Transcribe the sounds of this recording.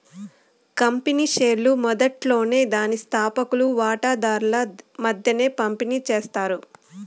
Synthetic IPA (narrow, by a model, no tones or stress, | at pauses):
kɐmpiniːʃeːɾlumɔd̪ɐʈlo̞ːne̞ːd̪aːnist̪ʰaːpɐkuluʋaːʈaːd̪aːɾulɐmɐd̪ʱjɐne̞ːpɐmpiniːt͡ʃe̞ːst̪aːɾu